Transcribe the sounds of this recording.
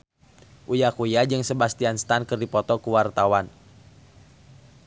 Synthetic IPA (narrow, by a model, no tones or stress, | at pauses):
ʔujakujad͡ʒɨŋsəbast̪ianst̪ankɨrdipɔt̪ɔkuwart̪awan